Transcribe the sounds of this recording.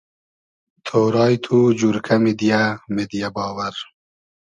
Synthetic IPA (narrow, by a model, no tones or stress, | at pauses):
t̪ʰoːɾɑːjt̪ʰud͡ʑuɾkʰɐmid̪ijamed̪ijabɑːwɐɾ